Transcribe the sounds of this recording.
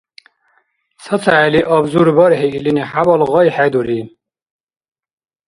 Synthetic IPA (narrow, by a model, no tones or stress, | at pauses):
sʰət͡sʰaɛliʔɔbzuɾbɔɾheiliniħabɔlɣɔjħɛd̪uɾi